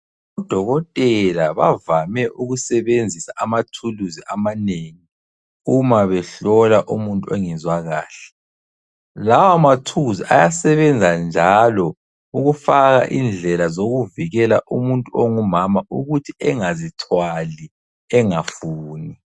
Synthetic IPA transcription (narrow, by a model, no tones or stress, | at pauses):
ɔd̥ʱɔɣɔtʼɛlaβavamɛʔuɣusɛβend͡zʱisaʔamatʰuluziʔamaneŋi | umaβɛɬɔlaʔumuntʼuɔŋɛzwaɣa̰ːɬɛ̥ | lawamatʰuziʔajasɛβɛnd͡zʱand͡ʒʱalɔ | uɣufaɣa̰ʔind͡ɮʱɛlazoɣuviɣɛlaʔumuntʼuoŋumamauɣutʰiɛŋazitʰwali | ɛŋafuːni